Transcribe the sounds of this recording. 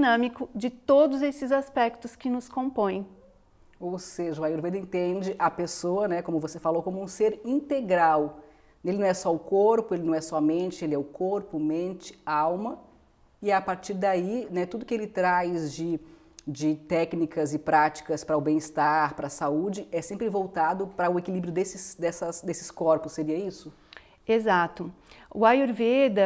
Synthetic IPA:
d͡ʒinɐ̃mikʊd͡ʒɪt̪od̪ʊzesɪzaspɛkt̪ʊskɪnʊskõpõj̃ | owseʒɐajoɾved̪ɐẽnt̪ẽd͡ʒɪʔɐpesoɐnɛkõmʊvosefalowkõmʊũseɾĩnt̪eɡɾaw | elɪnɐ̃ɛsɔʊkoɾpʊelɪnɐ̃w̃ɛsɔɐmẽnt͡ʃɪelɪɛʊkoɾpʊmẽnt͡ʃɪ̥awmɐ | ɪapaɾt͡ʃiɾd̪ainɛt̪ud̪ʊkɪelɪt̪ɾajzd͡ʒɪ | d͡ʒɪt̪ɛknikɐzɪpɾat͡ʃi̥kɐspɾɐʊbẽj̃ɪst̪aɾpɾɐsaud͡ʒɪɛsẽmpɾɪvowt̪ad̪ʊpɾɐʊekilibɾjʊd̪esɪsd̪ɛsɐsd̪esɪ̥skɔɾpʊsːeɾiɐisʊ | ezat̪ʊʊajoɾved̪ɐ

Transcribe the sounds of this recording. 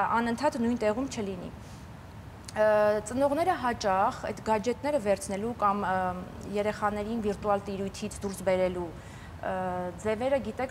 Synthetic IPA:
ɑnənt̪ʰɑt̪nujnt̪ɛʁumt͡ʃʰəlinḭ | t͡sənɔʁnɛɾəɦɑt͡ʃɑχɛ̰d̪ɡɑd͡ʒɛt̪nɛɾəvɛɾt͡sʰnɛlukɑmjɛɾɛχɑnɛɾinviɾt̪uɑlt̪iɾujt̪ʰit͡sʰd̪uɾsbɛɾɛlu | d͡zɛvɛɾəɡit̪ɛkʰ

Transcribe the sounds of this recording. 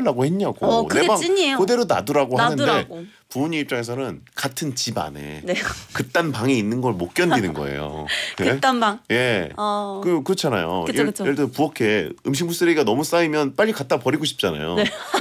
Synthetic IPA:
ɭːaɡoheɲːaɡonɯebaŋɲiokɯde̞ɾona̰dɯɾaɡoɦanɯnde̞ | puuɲiːp̚t͡ɕ͈aŋe̞s̬ʰʌnɯnkatʰɯnt͡ɕiba̰ne̞̰nkɯt͈anpaŋiinːɯnɡʌɭmok̚k͈jʌndinɯnɡʌ̰ḛjo̰et͈anbaŋje̞ | kɯkɯɾʌt͡ɕʰana̰jo̰jejeɭdɯpuʌkʰe̞ɯmɕ̬ʰiŋbus͈ɯɾeiɡanʌmus͈aimjʌnp͈aʎːikat͈̚apʌɾiɡoɕʰi̥p̚t͡ɕ͈ana̰jo̰

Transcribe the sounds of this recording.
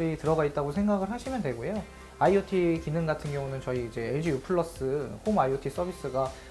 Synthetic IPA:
ɾitɯɾʌɡait̚t͈aɡosʰe̞ŋɡaɡɯɭɦaɕʰimjʌntwe̞ɡojo | aiotʰikinɯnɡatʰɯnɡjʌŋunɯnt͡ɕʌiːd͡ʑe̞eɭd͡ʑijupʰɯɭːʌs͈ɯhomaiotʰis͈ʌbis͈ɯɡa

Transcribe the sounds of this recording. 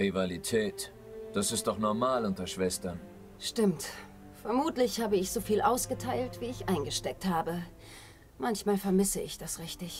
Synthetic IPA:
ʁivalitʰɛːt | d̥asɪst̚d̥ɔχnɔɐmaːlʊntɐʃv̥ɛstɐn | ʃtɪmt | fɛɐmuːtlɪçhaːbəɪçz̥oːfiːlʔaʊsɡ̥ətʰaɪltv̥iːɪçʔaɪnɡəʃtɛk̚thaːbə | mançmaːlfɛɐmɪsəʔɪçd̥asʁɪçtɪç

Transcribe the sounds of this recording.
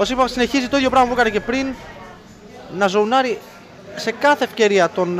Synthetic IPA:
osipɐsine̞çizit̪o̞iðʝo̞pɾɐmɐpuekɐnece̞pɾin | ɐzo̞unɐɾi | se̞kɐθe̞ːfce̞ɾiɐt̪o̞n

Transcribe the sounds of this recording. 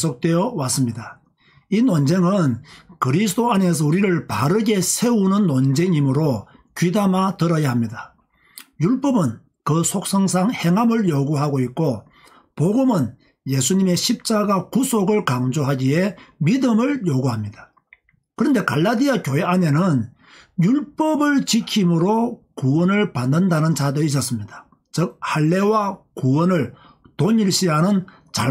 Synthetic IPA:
sʰok̚t͈we̞jʌwas͈ɯmɲida | inwʌnd͡ʑe̞ŋɯnkɯɾisʰɯdoane̞s̬ʰʌuɾiɾɯɭpaɾɯɡe̞sʰe̞unɯnːʌnd͡ʑe̞ŋimɯɾo | kɥidamatɯɾʌjaɦamɲidḁ | juɭp͈ʌbɯn | kɯsʰok̚s͈ʰʌŋs̬ʰaŋhe̞ŋɦamɯɭjoɡuɦaɡoit̚k͈o | poɡumɯn | je̞sʰuɲime̞ɕʰip̚t͡ɕ͈aɡakusʰoɡɯɭkaŋd͡ʑoɦaɡiɦe̞midɯmɯɭjoɡuɦamɲidḁ | kɯɾʌnde̞kaɭːadiakjoɦeane̞nɯn | juɭp͈ʌbɯɭt͡ɕikʰimɯɾo | kuwʌnɯɭpanːɯndanɯnt͡ɕadois̬͈ʌs͈ɯmɲid̥a | t͡ɕɯk̚haɭːe̞wakuwʌnɯɭ | toɲiɭɕ͈iɦanɯn | t͡ɕa̰

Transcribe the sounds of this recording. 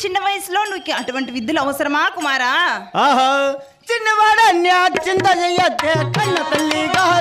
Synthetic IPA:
t͡ʃɪnːɐʋajsloːnũkːɐʈʋɐɳʈʋid̪ːɐlɐʋɐsɐɾɐmaːkumaːɾaːaːɦa | t͡ʃɪnːəʋaːɽanjaːt͡ʃɪnt̪ad͡ʒɐijat̪ekɐnːɐt̪ɐlːika

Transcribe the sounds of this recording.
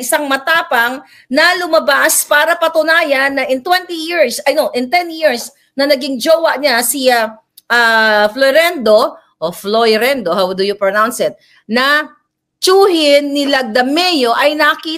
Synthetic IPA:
ɪsaŋmɐt̪aːpɐŋ | nɐlʊmɐbaspaːɾɐpɐt̪ʊnaːjɐnːɐʔɪnt̪wɛnt̪ijiɹsɐjnoʔɪnt̪ɛnjiɹs | nɐnɐɡɪŋd͡ʒoːwɐʔɲasia | ʔafloɾɛnd̪o̞ | ʔoflojɾɛnd̪oɦawd̪ʊjʊpɹonawnsɛt̪̚ | nɐ | t͡ʃuːhɪnːɪlɐɡ̚d̪ɐmɛjoʔɐjnɐkiː

